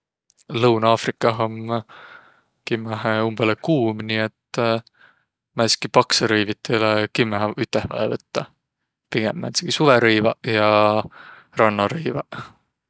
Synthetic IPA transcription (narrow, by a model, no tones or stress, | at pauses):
lɤwnɑːfrikːˑɑɦom | kimːæɦeumb̥elekuːmniet̪ | mæskipɑkseɾɤjvit̪ːˑelekimːæɦyt̪ːˑehvɑ̰ḛvɤt̪ːɑ | piɡ̥emːæ̰nt̪seɡ̥isuveɾejvɑjɑ | rɑnːɑɾɤjvɑ